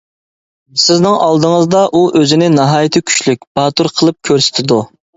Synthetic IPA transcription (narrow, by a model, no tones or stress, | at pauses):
sɪznɪŋɑlˠd̪əŋəzd̪ɑʔuʔøzɪnɪnɑɦɑːjɪt̪ʰɪkʲʰy̥ʃlyk̚ʲb̥ɑt̪uɾqʰəlˠɨp̚kʲʰøɾsɪ̥t̪ʰɪd̪u